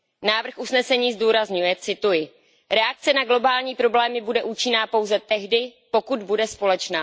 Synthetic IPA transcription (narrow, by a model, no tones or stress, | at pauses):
naːvr̩xʔusnɛsɛɲiːzduːɾazɲujɛt͡sɪt̪ujɪ | ɾɛak̚t͡sɛnaɡlo̞baːlɲiːpɾo̞blɛːmɪbudɛʔuːt͡ʃɪnaːpo̞wzɛt̪ɛɦdɪpo̞kud̪budɛspo̞lɛt͡ʃnaː